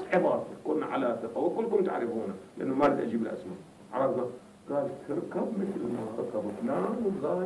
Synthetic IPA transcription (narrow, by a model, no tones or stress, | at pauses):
ħɪbɑːˤt̪ikʊnːaʕa̰lat̪aʔawːalkʊlːkʊnt̪a̰ʕɾɪfuːnalɪʔa̰nːumaɾid̪ʔa̰d͡ʒiːbɪlʔa̰sma | ʕɑ̰ɾˤɑfda | ɡ̥aːlt̪ʰɪɾkabmɪθlmaɾˤkabaknamzaː